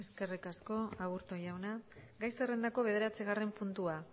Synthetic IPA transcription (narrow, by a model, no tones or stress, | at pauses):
e̞ske̞rikasko̞aβuɾt̪o̞ʝawnaɡajsere̞nd̪ako̞βe̞ð̞e̞ɾat͡seɣ̞are̞mpunt̪ua